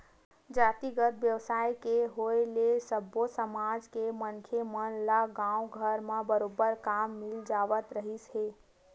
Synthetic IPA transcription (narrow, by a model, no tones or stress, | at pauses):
d͡ʒat̪iɡət̪̚bjəwsaijkeɦoelesəbːosəmad͡ʒkemənkʰemənlaɡãũɡʱəɾmẽbəɾobəɾkamːild͡ʒaʋət̪ɾəɦisɦe